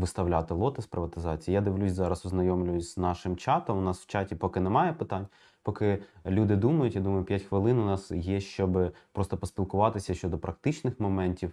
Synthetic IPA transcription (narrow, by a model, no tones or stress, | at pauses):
ʋɪst̪ɐwlʲat̪ɪlˠɔt̪ɪspɾɪʋɐt̪ɪzɑt͡sʲijːjad̪ɪʋlʲusʲzɑɾɐsɔznɐjɔmlʲʊjʊsʲznɑʃɪmt͡ʃɑt̪ɔmʊnɑswt͡ʃɑtʲipɔkɪnɛmɑjɛpɪt̪ɑnʲ | pɔkɪlʲud̪ɪd̪umɐjʊtʲjad̪umɐjʊpʲjatʲxʋɪlˠɪnʊnɑsjɛʃt͡ʃɔbɪpɾɔst̪ɔpɔsʲpʲilˠkʊʋɑt̪ɪsʲɐʃt͡ʃɔd̪ɔpɾɐkt̪ɪt͡ʃnɪxmɔmɛnʲtʲiw